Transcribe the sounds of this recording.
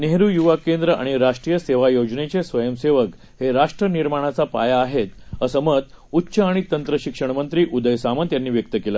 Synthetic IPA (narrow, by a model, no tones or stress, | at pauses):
neɦɾuːjuʋakend̪ɾəʔa̰ɽ̃iɾaʂʈɾijəseʋajod͡ʑnet͡sesʋəjəmseʋək | heɾaʂʈɾəniɾmaɽ̃at͡sapa̰jaːɦet̪əsəməd̪utːɕəaɽ̃it̪ənt̪ɾəɕikʂəɳ̃mənt̪ɾiːʔud̪əjsamənt̪janːiːʋjək̚t̪əkela